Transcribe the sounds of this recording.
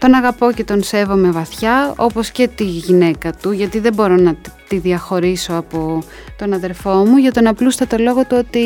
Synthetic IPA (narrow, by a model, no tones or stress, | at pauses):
t̪o̞nɐɣɐpo̞ce̞t̪o̞nse̞vo̞me̞vɐθçɐo̞po̞sce̞t̪iʝine̞kɐt̪uʝɐt̪iðebo̞ɾo̞nɐt̪iðiɐxo̞ɾiso̞ɐpo̞ | t̪o̞nɐðe̞ɾfo̞muʝɐt̪o̞nɐplust̪ɐt̪o̞lo̞ɣo̞t̪uo̞t̪i